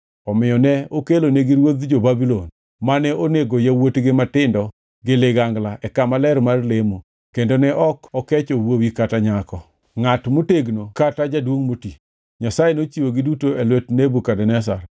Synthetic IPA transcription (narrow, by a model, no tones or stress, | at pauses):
ɔmɪjɔnɛokeloneɡɪɾwod̪d͡ʒobabilon | manɛʔoneɡojawotɡɪmatɪndɔ | ɡɪleɡaŋɡlaʔɛkamalɛrmarlemu | kendonɛʔɔkɔkɛt͡ʃowowikataɲakɔ | ŋatmoteɡnokatad͡ʒadwoŋmoti | ɲasajenot͡ʃiwoɡɪdutoelwɛtnebukadɛnɛs̬a̰r